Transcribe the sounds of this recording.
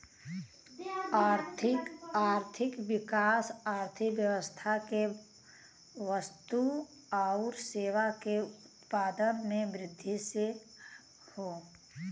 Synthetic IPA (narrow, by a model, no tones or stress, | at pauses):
aːɾt̪ʰɪkaːɾt̪ʰɪkʋɪkaːsaːɾt̪ʰɪkʋjəʋəst̪ʰake | ʋəst̪u | aʊɾseːʋakeʊt̪paːd̪ənmẽmɾɪd̪ʱːise | hoː